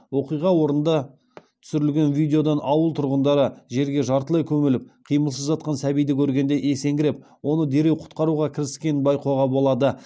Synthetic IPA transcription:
wo̞qijʁɑwo̞ɾənd̪ɑ | t̪ʰʏ̥sʏɾɪlɡʲe̞nvijd̪e̞o̞d̪ɑnʔɑwəlˠt̪ʰʊɾʁənd̪ɑɾəʒe̞ɾɡʲe̞ʒɑɾt̪əlˠejkʲʰɵmɪlɪp̚qʰijməlˠsəzʒɑt̪̚qɑnsæbijd̪ɪkʲʰɵɾɡʲe̞nd̪e̞ʔe̞se̞ŋɡʲɪɾep | wo̞nəd̪e̞ɾe̞wqʰʊ̥t̪qɑɾuʁɑkʲʰɪɾɪskʲe̞nbɑjqoʁɑbo̞lˠɑd̪ə

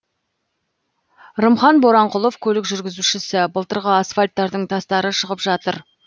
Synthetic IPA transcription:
ɾəmχɑnboɾɑɴqʊlˠo̞fkʲʰɵlɪkʒʏɾɡʲɪzuʃɪsɪbəlˠt̪əɾʁəasfalʲt̪ːɑɾd̪əɴt̪ʰɑst̪ɑɾəʃəʁəpʒɑt̪əɾ

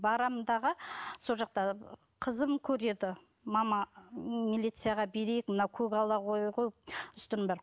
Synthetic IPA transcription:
bɑɾɑmd̪ɑʁəso̞lˠʒɑq̚t̪ɑ | qʰəzəmkʲʰɵɾe̞d̪ɪ | mɑmɑmilʲijt̪sɨjaʁɑbe̞ɾejɪk̚mənɑwkʲʰɵɡʲɑlˠɑqojqojpʏst̪ənbɑɾ

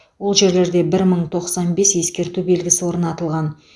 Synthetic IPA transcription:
wo̞lˠʒe̞ɾle̞ɾd̪e̞bɪɾməɴt̪ʰo̞qsɑnbe̞sje̞skʲe̞ɾt̪ube̞lɡʲɪsɪwo̞ɾənɑt̪əlˠʁɑn

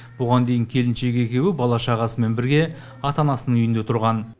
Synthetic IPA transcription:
b̥ʊʁɑnd̪e̞jɪŋkʲʰe̞lɪnʃe̞kʲe̞kʲe̞wɪbɑlˠɑʃɑʁɑsəme̞nbɪɾɡʲe̞ | ɑt̪ɑnɑsənəɴʏjɪnd̪e̞t̪ʰʊɾʁɑn

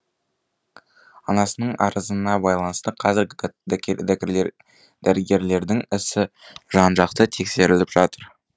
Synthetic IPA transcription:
ɑnɑsənəɴɑ̰ɾəzənɑbɑjlˠɑnəst̪əqʰɑzɪɾɡʲɪd̪ʲ | d̪̥æɾɪɡʲe̞ɾle̞ɾd̪ɪŋɪsɪʒ̥ɑnʒɑq̚t̪ət̪ʰe̞kse̞ɾɪlɪpʒ̥ɑt̪əɾ

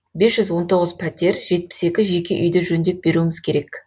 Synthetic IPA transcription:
be̞sʒ̥ʏzwo̞nt̪ʰo̞ʁəzpʰæt̪ʲe̞ɾʒe̞t̪̚pɪ̥se̞kʲɪʒe̞kʲeʔʏ̰jd̪eʒɵnd̪e̞p̚be̞ɾuɪmɪz̥kʲʰe̞ɾe̞k

